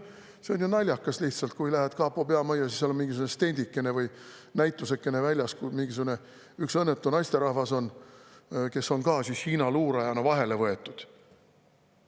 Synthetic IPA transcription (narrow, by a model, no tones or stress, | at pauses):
seonjunɑlʲjɑkːˑɑsliht̪sɑlt̪̚kujlæɦet̪kɑːpːˑopeɑmɑjːɑsisːɑlomiŋɡis̬ukunest̪e̞nʲd̪̥ikːe̞ne̞vɤj | næjt̪ːˑusekːe̞ne̞vælʲjɑskumiŋɡis̬ukune̞ | yksɤnːet̪ːˑunɑjst̪e̞ɾɑhvɑso̞n | ke̞so̞nkɑːsishiːnɑluːɾɑjɑnɑvɑɦe̞le̞vɤe̞t̪ːˑud̪̥